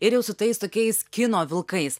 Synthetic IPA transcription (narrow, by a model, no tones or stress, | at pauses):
ɪɾjɛʊsʊt̪ɐɪst̪oːkʲɛɪskʲɪnoːʋʲɪlˠkɐɪs